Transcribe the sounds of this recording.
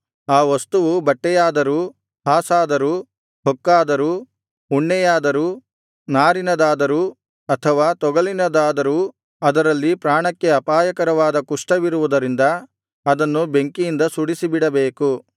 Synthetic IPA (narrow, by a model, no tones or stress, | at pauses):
aːʋɐst̪uʋubɐʈːɛjaːd̪ɐɾu | haːsaːd̪ɐɾu | ɦɔkːaːd̪ɐɾu | uɳːɛjaːd̪ɐɾuː | naːɾinɐd̪aːd̪ɐɾuː | ɐt̪ʰɐʋaːt̪ɔɡɐɭinɐd̪aːd̪ɐɾuː | ɐd̪ɐɾɐlːipɾaːɳɐkːe̞ɐpaːjɐkɐɾɐʋaːd̪ɐkuʂʈɐʋiɾuʋud̪ɐɾind̪ɐ | ɐd̪ɐnːube̞ŋkijind̪ɐsuɽisibiɽɐbeːku